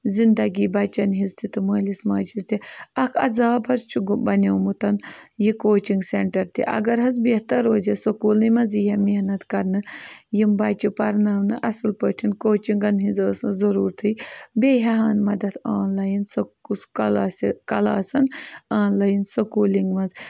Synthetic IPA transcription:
zind̪ɐɡiːbɐt͡ʃɐnɦizt̪ʰit̪ɨməːlismaːd͡ʒizt̪iɐkʰɐ̰zaːbɦɐzt͡ʃʰuɡbɐnʲɐwmut̪ɐnjikoːt͡ʃiŋɡseɳʈɐɾt̪ḭʔɐ̰ɡɐɾɦɐzbiɦt̪ɐɾoːzɐsɐkuːlnimɐd͡zijɐminɐt̪kɐɾnɨjimbɐt͡ʃipɐɾnɐːʋnɨʔɐsɨlpəːʈʰinkoːt͡ʃiŋɡɐnɦid͡zəːszɐɾuːɾt̪ʰɨjbeɦɐɦaːnmɐd̪ɐt̪ʰaːnlaːjinsɐuskɐlaːsikɐlaːsɐnaːnlɐjinsɐkuːliŋɡmɐnd͡z

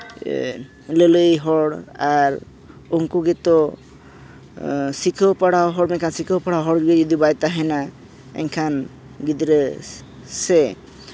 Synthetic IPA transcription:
leləjɦɔɽaɾ | uŋkuɡɛt̪ɔ | sikʰəpaɽawɦɔɽmɛkʰansikʰəwpaɽawɦɔɽd͡ʒɡed͡ʒɔd̪ibajt̪aɦɛna | ɛ̰ŋkʰan | ɡid̪ɾe | sɛ

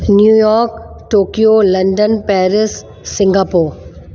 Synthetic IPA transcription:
njuːjɔːɾk | ʈoːkijolɐ̃ɳɖənpɛːɾɪsː | ɪ̃ŋɡaːpoːɾ

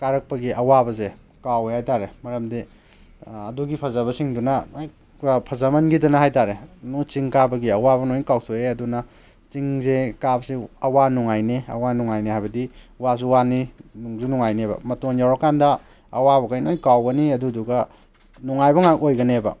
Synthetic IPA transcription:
kaɾɐk̚pɐɡiʔɐwabɐze | kawehajtaɾemɐɾɐmdi | ɐduɡipʰɐzɐβɐsiŋdunɐj | pʰɐzamɐnɡidɐnɐɦajtaɾenut͡ʃiŋkabɐɡiɐwaβɐnojnkawsʰoeɐdunɐ | t͡ʃiŋzekabɐsiɐwanuŋajneɐ̰wanuŋajnehajbɐdi | was̬uwaninuŋzunuŋajnebɐ̰mɐtonjawɾɐkandɐ | ɐwabɐɡajnojkawɡɐniɐduduɡɐ | nuŋajbɐŋak̚ojɡɐnebɐ̰

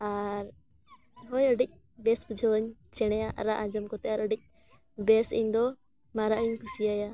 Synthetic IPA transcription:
aɾ | ɦɔjəɖik̚ˀ | bɛsbud͡ʒʱɛəɲt͡ʃɛɽ̃ɛjaʔɾaʔãd͡ʒɔmkɔt̪ɛaɾəɖik̚ˀ | bɛsə̰ɲd̪ɔ | maɾaʔəɲkʰusiaja

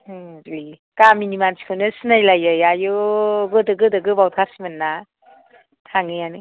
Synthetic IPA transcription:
li | kaminimansi̥kʰɯwnɯsɯnajlajajajɯɡɯdɯɡɯdɯɡɯbawtʰaɾsimɯnːa | tʰaŋɯjanɯ

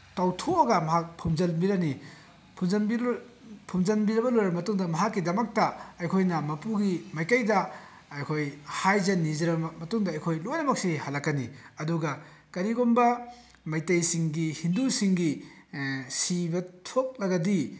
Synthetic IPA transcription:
tɐwtʰoɐɡɐmɐɦak̚pʰumzɐlbiɾɐni | pʰuzɐ | pʰumzɐlbiɾɐbɐlojɾɐbɐmɐtuŋdɐmɐɦakːidɐmɐk̚tɐɐjkʰojnɐmɐpuɡimɐjkɐjdɐ | ɐjkʰojhajzɐnːizɐɾɐɐmɐtuŋdɐːjkʰojlojɾɐbɐk̚sihɐlɐkːɐniɐduɡɐ | kɐɾiɡombɐ | mɐjtɐjsiŋɡihindusiŋɡi | sibɐtʰok̚lɐɡɐdi

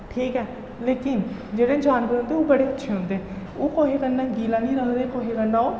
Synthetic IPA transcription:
ʈʰiːkɛː | leːkɪnd͡ʒeːɽeːd͡ʒaːnʋəɾɦõnd̪eːoːbəɽeːətːʃʰeːõːnd̪eː | oːkoːɦeːkənːãːɡiːlãːnĩːɾəŋd̪eːkoːɦeːkənːãːoː

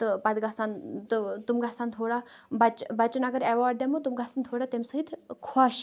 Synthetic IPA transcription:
t̪əpɐd̪ɡasant̪ət̪umɡʱasant̪ʰoɽa | bɐt͡ʃbɐt͡ʃɐnaɡəɾeʋaɾɖd̪jamut̪umɡʱasant̪ʰoɽat̪emsəɦit̪ʰkʰwaɕ

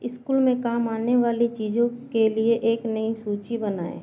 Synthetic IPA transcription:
ɪskuːlmẽkaːmaːneʋaːlit͡ʃiːd͡ʒõkelieʔeːknɐisuːt͡ʃibəna̰ːḛː

